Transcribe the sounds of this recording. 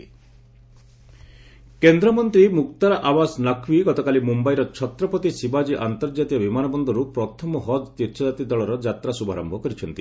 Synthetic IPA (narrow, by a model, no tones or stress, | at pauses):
kend̪ɾɔmɔnt̪ɾimukt̪aɾaʔawasnakʰwiɡɔt̪ɔkalimumbaiɾɔt͡ʃʰɔt̪ɾɔpɔt̪isibad͡ʒiʔant̪ɔɾd͡ʒat̪iɔbimanɔbɔnd̪ʱɔɾupɾɔt̪ʰɔmɔɦɔd͡ʒt̪iɾt͡ʃʰɔd͡ʒat̪id̪ɔɭɔɾɔd͡ʒat̪ɾasubʱa̰ɾɔmbʱɔkɔɾit͡ʃʰɔnt̪i